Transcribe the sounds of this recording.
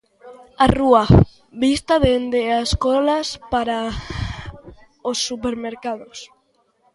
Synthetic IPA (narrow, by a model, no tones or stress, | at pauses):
arua | βist̪aðend̪easkolaspaɾa | osːupeɾmeɾkaðos